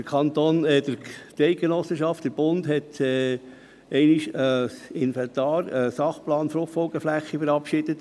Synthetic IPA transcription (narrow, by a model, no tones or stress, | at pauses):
d̥əɾkʰɑnt̪oːnɛd̪əɾt̪ɛɪɡ̥enɔsːəʃɑftd̥əɾb̥ʊnd̪ɦɛt̪ɛː | ɛɪniʃəɪnfɛnt̪ɑːɾəsɑχplɑːnfɾʊχfɔlɡ̥əflæχːifəɾɑpʃɪd̥ət̪